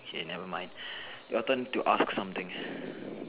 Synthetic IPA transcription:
hḛnɛvəmãɪ̃ndʔɔt̪ə̃ntuʔasksʌ̃mt̪ʰɪ̃ŋs

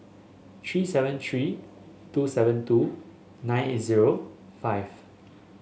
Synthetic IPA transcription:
t̪ʰɹisɛvə̃nt̪ʰɹi | tusɛvə̃ntu | nãɪjnetziɹo | faɪv

